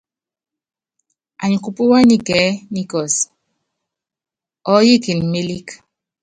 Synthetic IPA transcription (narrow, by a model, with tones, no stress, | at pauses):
a˨ɲu˨ku˨pu˦wa˦ni˦ɡɛ˨˦ni˦kɔ˨s | ɔ˦ji˦˨ki˨nmi˦li˦k